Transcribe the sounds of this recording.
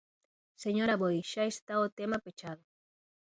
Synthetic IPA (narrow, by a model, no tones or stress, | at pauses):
seɲoɾaβojʃaest̪aot̪emapet͡ʃaðo